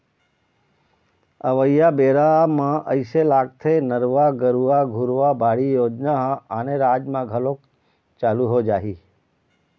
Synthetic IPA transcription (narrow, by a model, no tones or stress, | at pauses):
əʋəjabeɾamãʔəiselaɡ̚t̪ʰenəɾʋaɡəɾuʋaɡʱuɾʋabʱaɽijoːd͡ʒnaɦəneɾaːd͡ʒmãɡʱəlok̚ | t͡ʃaluɦod͡ʒaːɦi